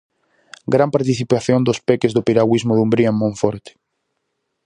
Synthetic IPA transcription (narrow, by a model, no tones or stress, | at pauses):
ɡɾampaɾt̪iθipaθjond̪ospɛkezðopiɾaɣwizmoðumbɾiammõɱfɔɾt̪ɪ̥